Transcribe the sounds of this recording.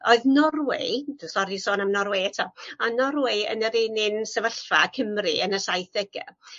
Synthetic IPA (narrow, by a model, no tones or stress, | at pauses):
oɨðnɔrwɪ̰d̥əsɔɾisoːnamnɔrwɨɛtʰɔanɔrwɪə̰nəɾɪːnɪnsəvəɬfakʰəmrɨənəsajθəɡə̰